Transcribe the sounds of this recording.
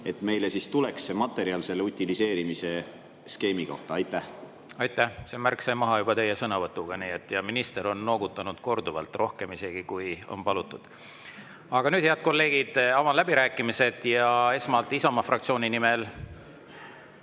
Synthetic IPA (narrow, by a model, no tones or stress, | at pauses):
e̞t̪me̞jlesist̪ule̞ksːemɑt̪ːˑe̞ɾiɑlse̞lːeut̪ʲːilise̞ːɾimise̞ | ske̞ːmiko̞̰ht̪ɑɑjt̪ˑːæh | ɑjt̪ːˑæhse̞ːmærksɑjmɑɦɑjub̥ɑt̪e̞jesɤnɑvɤt̪ːˑuɡ̥ɑniːet̪ːjɑminist̪e̞ɾo̞nːo̞ːɡut̪ːˑɑnud̪̥ko̞rd̪uvɑ̰lt̪ːˑro̞hke̞mise̞ɡ̥ikujo̰npɑlut̪ːˑud̪̥ | ɑɡ̥ɑnyːd̪̥heɑd̪̥̚ko̞lːe̞ːɡ̥id̪̥ɑvɑnlæb̥iɾæːkːˑimise̞d̪̥jɑe̞smɑlt̪ːˑisɑmɑfrʔɑk̚t̪sio̞ːnʲinime̞l